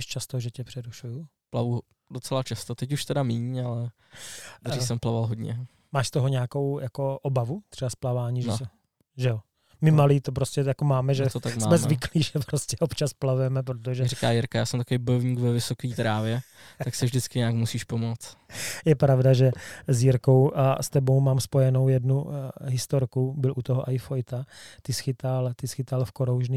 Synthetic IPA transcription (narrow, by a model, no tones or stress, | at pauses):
ɛʃt͡ʃast̪oʒɛcɛpr̥ɛɾuʃuju | plavu | dot͡sɛlat͡ʃast̪ot̪ɛcuʃt̪ɛdamiːɲalɛ | ɾisɛmplavalɦod̪ɲɛ̰ | maːʃst̪oɦoɲɛako̞wjʔako̞ʔobavut̪r̥ɛbasplavaːɲiːʒsɛ | ʒɛjo | mɪmaliːt̪opɾoscɛjakomaːmɛʒɛt̪ot̪akmsaːmɛzvɪkliːʒɛpɾoscɛʔopt͡ʃasplavujɛmɛp̬ɾot̪oʒɛɾikaːjɪɾkajaːsɛmt̪akovebojovɲiɡvɛvɪsokiːt̪ɾaːvjɛ | tt̪aksɪvʒdɪt͡skɪɲɛakmusiːʃpomot͡st̪jɛpɾavdaʒɛzjɪɾkowʔa̰st̪ɛbo̞wmaːmspo̞jɛno̞wjɛdnuɦɪst̪oɾkubɪlʔut̪oɦoʔaɪfojt̪at̪ɪsxɪt̪alt̪ɪsxɪt̪alfkoɾowʒniː